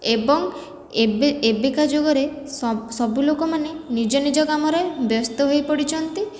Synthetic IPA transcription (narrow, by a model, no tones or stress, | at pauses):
ebɔŋ | ebekad͡ʒoɡɔɾesɔbulokɔmanenid͡ʒɔnid͡ʒɔɡamɔɾebjɔst̪ɔɦojpɔɽit͡ʃʰɔnt̪i